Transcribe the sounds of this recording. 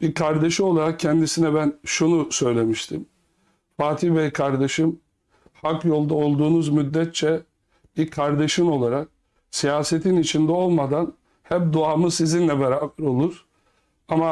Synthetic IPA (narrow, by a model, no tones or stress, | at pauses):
b̥ikʰaɾd̪eʃɯo̞lˠaɾak̚cʰɛnd̪isinɛbænʃunusø̞jlʲe̞miʃt̪ʰim | faːt̪ʰivɛkʰaɾd̪eʃɯm | hakjo̞lˠd̪aolˠd̪uːnuzmyd̪ːɛt̪̚t͡ʃʰɛ | b̥iɾkʰaɾd̪eʃɯmo̞lˠaɾak̚ | sijaːset̪ʰinit͡ʃʰind̪ɛo̞lˠmad̪an | hɛp̚d̪uaːmɯsizinlʲɛbɛɾaːbɛɾo̞lˠuɾ̥ | ama